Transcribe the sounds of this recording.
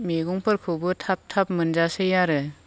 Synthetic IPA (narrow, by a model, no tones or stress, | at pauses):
meɡɔŋpʰɯɾkʰɯbɯtʰap̚tʰap̚mɯnd͡ʒasejaɾɯ